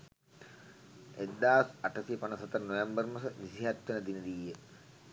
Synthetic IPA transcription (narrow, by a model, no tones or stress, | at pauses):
ed̪ːaːsaʈəsijəpanəsɐt̪əɾnojambərmɐsəʋisiɦæt̪ʋenəd̪inəd̪iːjə